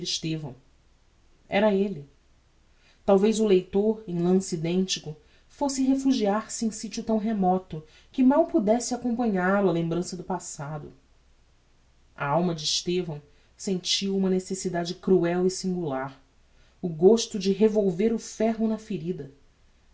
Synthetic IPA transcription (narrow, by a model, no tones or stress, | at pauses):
iʃt̪evɐ̰̃w̃ | ɛɾɐelɪ | t̪awvejzʊlejt̪oɾẽj̃lɐ̃sid̪ẽnt͡ʃikʊ | fosɪɦefuʒiaɾsɪẽj̃sit͡ʃʊt̪ɐ̃w̃ɦemɔt̪ʊ | kɪmawpud̪ɛsɪakõmpɐ̃ɲaɾʊɐlẽmbɾɐ̃sɐd̪ʊpasad̪ʊ̰ | ɐ̰awmɐd͡ʒɪːʃt̪evɐ̃w̃ | sẽnt͡ʃiɐũmɐnesesid̪ad͡ʒɪkɾuɛwisĩŋɡulaɾ | ʊɡoʃt̪ʊd͡ʒɪɦevowveɾʊfɛɦʊnɐfeɾid̪ɐ